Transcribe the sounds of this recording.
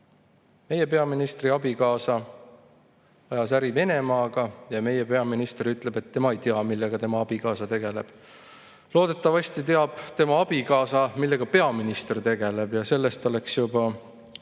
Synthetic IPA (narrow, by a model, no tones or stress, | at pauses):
me̞je̞p̬e̞ɑminist̪riɑbikɑːsɑ | ɑjɑsæɾive̞ne̞mɑːɡ̥ɑjɑme̞jepe̞ɑminist̪eɾyt̪ːˑle̞b̥e̞t̪ːe̞mɑejt̪eɑmilːeɡ̥ɑt̪e̞mɑɑb̥ikɑːsɑt̪e̞ɡ̥e̞le̞b̥ | lo̞ːd̪e̞t̪ːˑɑvɑst̪it̪e̞ɑb̥t̪e̞mɑɑb̥ikɑːsɑmilːe̞ɡ̥ɑpe̞ɑminist̪ert̪e̞ɡ̥e̞le̞b̥jɑse̞lːe̞st̪o̞le̞ksjubɑ